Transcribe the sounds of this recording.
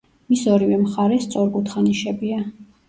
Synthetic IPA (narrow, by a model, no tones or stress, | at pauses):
misɔɾivɛmχaɾɛst̪sʼɔɾɡut̪ʰχaniʃɛbia